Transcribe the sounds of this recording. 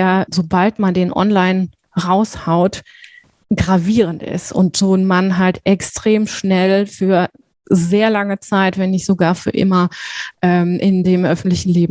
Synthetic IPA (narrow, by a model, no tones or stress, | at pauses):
ɐzobaltmandeːnʔɔ̰nlaɪn | ʁaʊshaʊt | ɡ̥ʁaviːʁ̞əntɪ̰stʊ̰ntz̥oːnmanɦaltʔɛkstʁ̥eːmʃnɛlfyːɐ | zeːɐlaŋət͡saɪtv̥ɛnɪçz̥oɡaːɐfyːɐʔɪ̰mɐʔɛːmʔɪndeːmʔœfn̩tlɪçn̩leːbm̩